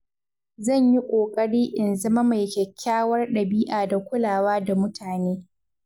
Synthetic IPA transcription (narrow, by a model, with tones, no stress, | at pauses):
zɐ˦˨ɲji˦kʷʼoː˨kʼɐ˦ɽiː˦ʔɪ˨nzɐ˦ma˦ma˨jkʲɛ˨kʲʰːaː˦wɐ˦rɗɐ˨biː˦ʔaː˨da˨kʷʊ˦laː˨waː˦da˨mʊ˦tʰaː˨neː˦